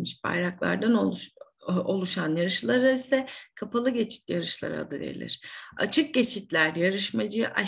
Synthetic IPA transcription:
miʃpʰa̰jɾaklˠa̰ɾd̪ano | o̞lˠuʃanjaɾɯʃlˠaɾaisɛkʰapʰalˠɯɟe̞t͡ʃʰi̥t̪̚jaɾɯʃlˠa̰ɾ̰a̰d̪ɯvḛɾḭlʲḭɾ̥a̰t͡ʃʰɯk̚ɟe̞t͡ʃʰit̪lʲæɾjaɾɯʃmad͡ʒɯʔa

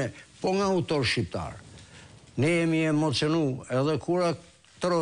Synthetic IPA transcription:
ɛpɔŋɡaut̪ɔɾʃip̚t̪a̰ɾ | nɛjɛmiɛmɔt͡siɔnuɛðɛkʰuɾa | t̪ɾɔ

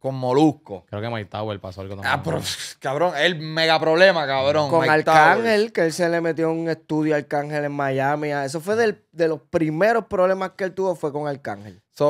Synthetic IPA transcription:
koŋmoluhko̰kɾeokemajt̪awelpasoalkoapɾokaβɾoŋelmeɣapɾoβle̞makaβɾõŋkomalt̪akaŋhe̞lkeelse̞le̞met̪̬jo̞uŋe̞st̪uðjoalkaŋhe̞le̞ŋmaʝamiae̞s̬o̞fweðel | d̪e̞lo̞spɾime̞ɾo̞spɾoβle̞maskeelt̪uβo̞fwe̞ko̞ŋalkaŋhe̞̰lso

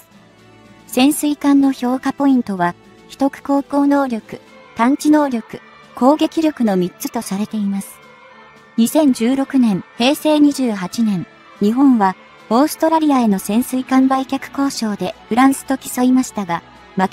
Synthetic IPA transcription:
sẽ̞ɰ̃sɨikãnːo̞ço̞ːkapo̞ĩnt̪o̞βa | çʲi̥t̪o̞kɯ̟̥ko̞ːko̞ːno̞ːɾʲo̞kɯ̟ | t̪ãɲt͡ɕino̞ːɾʲo̞kɯ̟̥ | ko̞ːɡe̞kʲiɾʲo̞kɯ̟no̞mʲit͡st͡sɨ̥t̪o̞saɾe̞t̪e̞imasɨ̥ | ɲ̟isẽ̞ɲ̟d͡ʑɨːɾo̞kɯ̟nẽ̞ɰ̃he̞ːse̞ːɲ̟iʑɨːɦat͡ɕinẽ̞n | ɲ̟iɦõ̞ɰ̃βa | o̞ːsɨ̥t̪o̞ɾaɾʲiae̞no̞sẽ̞ɰ̃sɨikãmbaikʲakɯ̟̥ko̞ːɕo̞ːd̪e̞ɸɯ̟ɾãɰ̃sɨ̥t̪o̞kʲi̥so̞imaɕi̥t̪aɡa | mak

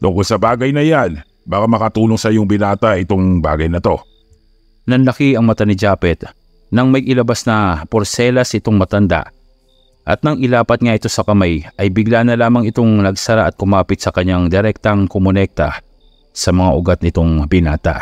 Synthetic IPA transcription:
t̪ʊŋkolsɐbaːɡɐjnɐjan | baːkamɐkɐt̪uːloŋsɐjoŋbɪnaːt̪ɐɪt̪oŋba̰ːɡɐjnɐt̪o̞ | nɐnlɐkiɐŋmɐt̪anɪd͡ʒaːpɛt̪ | nɐŋmɐjʔɪlɐbasnɐpoɾsɛlɐsʔɪt̪o̞ŋmɐt̪ɐnd̪a̰ʔ | ʔɐt̪̚nɐŋʔɪlaːpɐt̪̚ŋaʔɪt̪o̞sɐkɐmajʔɐjbɪɡlanɐlaːmɐŋɪt̪o̞ŋnɐɡsɐɾaʔɐt̪̚kʊmaːpɪt̪̚sɐkɐɲːaŋd̪ɛɾɛk̚t̪ɐŋkomonɛk̚t̪ɐ̰ | sɐmɐŋaʔʊɡat̪̚nɪt̪o̞ŋbɪnaːt̪ɐ̰

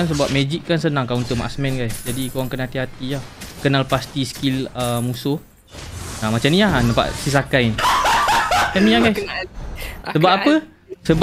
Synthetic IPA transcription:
ans̬əbuaʔ̚mɛd͡ʒikːansənãŋkaunt̪ʊʔ̚ma̰ʔsmɛ̃nɡajsd͡ʒadikowaŋkənat̪iɦat̪iahkənalpast̪iskiləmũsʊh | amat͡ʃamnĩanampa̰ʔsis̬akain | kɛmĩaɡajs | səbapapə | səb

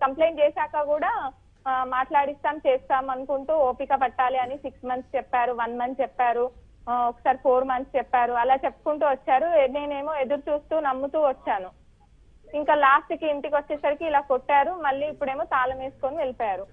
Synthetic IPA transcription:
kɐmple̞jɳt͡ʃɛːʃaːkɐkuːɽaː | maːʈlaːɽist̪aːmt͡ʃeːst̪aːmɐnukuɳʈuːoːpikɐpɐʈːaːliɐnisiksmɐnt̪st͡ʃɛpːaːɾuʋɐnmɐnst͡ʃɛpːaːɾu | ɔkːɐ̥saːɾipʰo̞ːɾmɐnt̪st͡ʃɛpːaːɾuɐlaːt͡ʃepːu̥kuɳʈuːʋɐt͡ʃːaːɾuneːne̞ːmuːed̪ɐɾut͡ʃuːst̪uːnɐmːut̪uːʋɐt͡ʃːaːnu | iŋkaːlaːsʈkiiɳʈikiʋɐt͡ʃːɛːsɐɾikiːlaːkoʈːaːɾumɐɭːiːpːuɽe̞ːmut̪aːlɐmeːsu̥koːniʋelipɔːjaːɾu

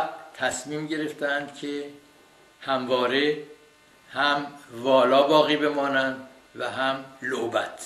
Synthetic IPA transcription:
t̪ʰæsmiːmɟe̞ɾe̞ft̪ʰeænd̪̥cʰe | hæmvɒːɾe̞ | hæmvɒːlɒːbɒːɣiːbe̞mɒːnænd̪ | væɦæmlobæt̪ʰ

